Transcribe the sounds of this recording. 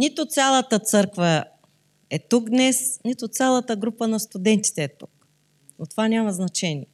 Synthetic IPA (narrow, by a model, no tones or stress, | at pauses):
nit̪ʊt̪sʲalˠət̪ət̪sɤɾkvə | ɛt̪uɡd̪nɛsnit̪ʊt̪sʲalˠət̪əɡɾupənɐst̪ʊd̪ɛnt̪i̥t̪ɛːt̪uk | ot̪vanʲamɐznɐt͡ʃɛniɛ